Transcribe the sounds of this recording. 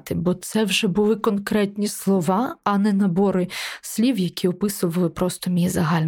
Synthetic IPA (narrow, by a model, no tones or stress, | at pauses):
t̪ɪbɔt̪sɛwʒɛbʊlˠɪkɔnkɾɛt̪ʲnʲislˠɔʋɑɐnɛnɐbɔɾɪsʲlʲiwjɐkʲiɔpɪsʊʋɐlˠɪpɾɔst̪ɔmʲijizɐɦɑlʲn